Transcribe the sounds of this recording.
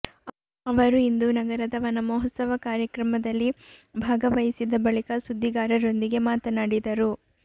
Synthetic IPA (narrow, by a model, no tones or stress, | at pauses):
ɐʋɐɾuind̪unɐɡɐɾɐd̪ɐʋɐnɐmɔːɦɐt̪sɐʋɐkaːɾjɐkɾɐmɐd̪ɐlːibʱaːɡɐʋɐjisid̪ɐbɐɭikɐsud̪ʱːiɡaːɾɐɾo̞nd̪iɡe̞maːt̪ɐnaːɽid̪ɐɾu